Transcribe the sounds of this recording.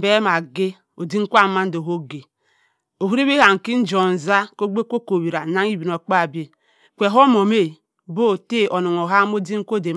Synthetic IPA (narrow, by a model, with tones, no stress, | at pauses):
be˦ma˨ɡe˦ | o˨di˦ŋ̩˦kʷa˦ma˦n̩˦do˨ɦo˦ɡe˨ | o˨ɦu˦ɾe˦be˦ɦa˨ŋ̩˨ki˦n̩˦d͡ʒo˨n˨za˦ko˦ɡ͡be˦ko˦ko˨βi˨ɾa˨na˦ŋ˦i˦bi˨n˨o˨k͡pa˦˨bi˦e˦ | kʷe˨ɦo˦mo˨me˦˨ | bo˦˨te˦o˨no˨ŋo˨ɦa˦m˦o˦di˦ŋ̩˦kʷo˦˨de˨